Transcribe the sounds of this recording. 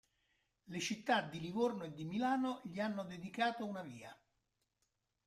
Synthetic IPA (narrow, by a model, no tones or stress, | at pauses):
let͡ʃit̪ːad̪ːilivornoed̪ːimilaːnoʎianːod̪ed̪ikaːt̪ounaviːa